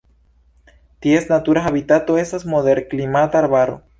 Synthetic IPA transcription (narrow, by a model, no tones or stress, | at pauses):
t̪iesnat̪uɾaxaβit̪at̪oesasmoðeɾklimat̪aɾβaɾo̰